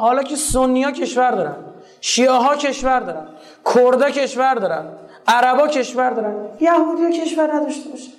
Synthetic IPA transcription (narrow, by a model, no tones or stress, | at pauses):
hɒːlɒːcʰʲesonːijɒːcʰe̞ʃvæɾd̪ɒːɾæn | ʃiːeɦɒːcʰe̞ʃvæɾd̪ɒːɾæn | kʰoɾd̪ɒːcʰe̞ʃvæɾd̪ɒːɾænd̪ | æɾæbɒːcʰe̞ʃvæɾd̪ɒːɾænjæhud̪ijɒcʰe̞ʃvæɾnæd̪ɒʃt̪ebɒːʃæ̥